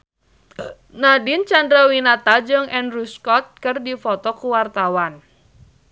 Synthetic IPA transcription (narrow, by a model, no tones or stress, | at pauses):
nadint͡ʃandɾawinat̪ad͡ʒəŋʔɛnruskɔt̪̚kərdifɔt̪ɔkuwart̪awan